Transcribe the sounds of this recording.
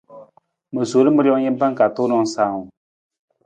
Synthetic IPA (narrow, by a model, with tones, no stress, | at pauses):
mə˨su˨˦lə˦mə˧˦ɾjɔ˧ŋje˦mpa˦ŋka˨t̪o˦nɔ˧ŋsaː˨w